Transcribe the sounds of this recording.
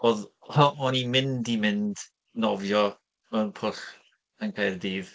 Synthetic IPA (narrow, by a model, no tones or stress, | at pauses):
oːðhɔɔnimɪndimɪnd̥ | nɔvjɔ | mɛrpʰʊɬ | ənkʰaːrdiːð